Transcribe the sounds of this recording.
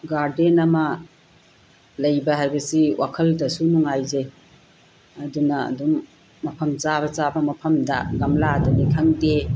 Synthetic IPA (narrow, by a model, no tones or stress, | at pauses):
ɡaɾdenɐmɐ | lɐjbɐɦajbɐsiwakʰɐldɐsunuŋajze | ɐdunɐ̰ːdumː | ɐpʰɐmt͡ʃabɐt͡ʃabɐmɐpʰɐmdɐ̰ɡɐmladɐnikʰaŋde